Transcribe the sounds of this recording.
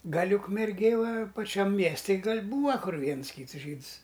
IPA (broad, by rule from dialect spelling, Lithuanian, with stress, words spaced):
ˈɡɐlʲ ʊkmʲɛrʲˈɡʲeːj ʋɐ pɐˈt͡ʃʲɛm ˈmʲiɛsʲtʲɪ ˈɡɐlʲ ˈbuːʋɐ ˈkʊr ˈʋʲiɛns ˈkʲiːts ˈʒʲiːts